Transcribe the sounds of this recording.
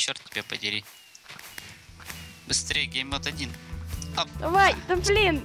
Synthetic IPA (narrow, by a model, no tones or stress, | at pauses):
t͡ɕːort̪tʲɪbʲepədʲɪɾʲi | bɨst̪ɾʲejəɡʲejmʲot̪ɐdʲinɐd̪ɐvajd̪ɐblʲin